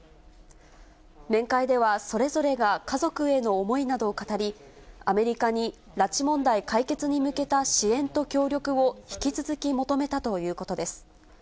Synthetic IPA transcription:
mẽ̞ŋkaid̪e̞β̞aso̞ɾe̞zo̞ɾe̞ɡakazo̞kɯ̟e̞no̞ːmo̞inad̪o̞ːkat̪aɾʲi | ame̞ɾʲikaɲ̟i | ɾat͡ɕimõ̞nd̪aikaike̞t͡sɨɲ̟imɯ̟ke̞t̪aɕiẽ̞nt̪o̞kʲo̞ːɾʲjo̞kɯ̟o̞çi̥kʲit͡sɨzɨkʲimo̞t̪o̞me̞t̪at̪o̞jɯ̟ːko̞t̪o̞d̪e̞sɨ̥

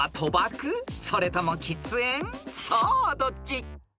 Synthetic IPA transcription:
at̪ʰobakʰɯsʰoɾet̪ʰamoŋkʲʰit͡sɨensʰʌd̪ot͡ɕ͈i

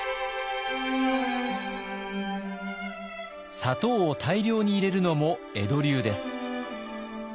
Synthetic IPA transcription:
sat̪o̞ːot̪ʰaiɾʲo̞ːɲ̟iːɾe̞ɾɯ̟no̞mo̞ | e̞d̪o̞ɾʲɨːd̪e̞sɨ̥

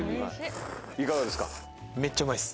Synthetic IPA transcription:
ikaɡad̪esɨ̥ka̰ | met͡ɕːamais

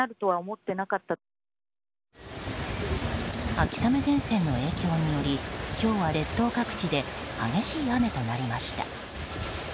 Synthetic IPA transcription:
aɾɯ̟t̪o̞βaomo̞t̪ːe̞nakat̪ːa | akʲi̥same̞zẽ̞ɰ̃sẽ̞nːo̞e̞ːkʲiɦo̞ɲ̟ːijo̞ɾʲikʲo̞ːβaɾe̞t̪ːo̞ːkakɯ̟̥t͡ɕid̪e̞ | haɡe̞ɕiːame̞t̪o̞naɾʲimaɕi̥t̪a̰

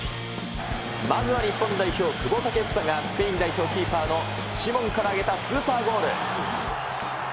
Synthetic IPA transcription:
mazɨβaɲ̟ipːõ̞nd̪aiço̞ːkɯ̟ɡo̞saket͡sɯ̥sãŋɡasɨ̥pe̞ĩnd̪aiço̞ːkʲiːpaːno̞ | ɕimõ̞ŋkaɾaːɡe̞t̪asɨːpaːɡo̞ːɾɯ

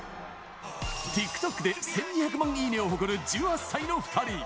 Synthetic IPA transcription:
t̪ʲikːɯ̥t̪o̞kːɯ̟d̪e̞sẽ̞ɲ̟ːiçak̬ɯ̟mãŋ̃iːnẽoɦokɯɾɯ̟d͡ʑɨːhasːaino̞ɸɯ̥t̪ʰaɾʲi

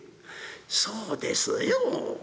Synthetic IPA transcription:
soːd̪ḛsɨjo

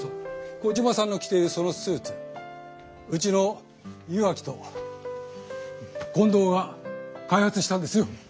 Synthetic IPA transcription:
okod͡ʑimasãnːo̞kʲi̥t̪e̞iɾɯ̟so̞no̞sɨːt͡sɨ̥ | ɯ̟t͡ɕino | jɯβakʲi̥t̪o̞ | kõ̞nd̪o̞ːɡakaihat͡sɨɕi̥t̪ãnd̪e̞sɨjo̞

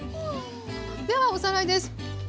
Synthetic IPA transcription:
d̪eβaosanaid̪es

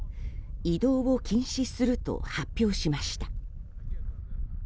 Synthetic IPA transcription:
id̪o̞ːβo̞kʲĩɰ̃ɕisɨɾɯ̟t̪o̞̰hapʲːjo̞ːɕimaɕi̥t̪a

